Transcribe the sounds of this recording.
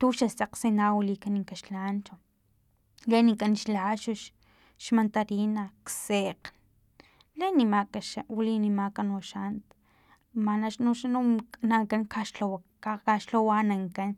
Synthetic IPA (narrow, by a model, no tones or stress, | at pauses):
t̪uʃasaqsinawilikaniŋkaʃlaːnt͡ʃa | lenikʼanʃlaʃuʃ | ʃmant̪aɾinakseqn | lenimakaʃawlinimakanoʃant̪ | manaʃnoʃanunaŋkaŋkaʃlow | akaʃlowanaŋkan